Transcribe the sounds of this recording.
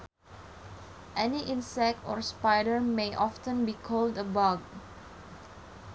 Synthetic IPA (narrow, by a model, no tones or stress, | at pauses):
ʔɛniʔĩnsɛk̚tɔ̰ɹspajdəɹmeʔɔftə̃nbikʰoldəbaɡ̚